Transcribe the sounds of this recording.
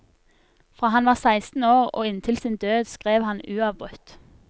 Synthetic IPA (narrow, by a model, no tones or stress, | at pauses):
fʁɑːhɑnʋɑːʁsæɪst̪n̩oːʁo̰ːɪnt̪ʰɪlsiːnd̪øːd̪skʁeːʋhɑnʉːɑʋbʁʉt̪